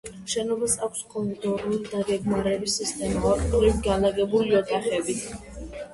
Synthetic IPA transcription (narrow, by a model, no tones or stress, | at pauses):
ʃɛnɔbasakʷʰskʼɔlɔd̪ɔɾulid̪aɡɛɡmaɾɛbisist̪ʼɛnkʼaɾʼuɾiɡalaɡɛbuliɔt̪ʼʰaχɛbi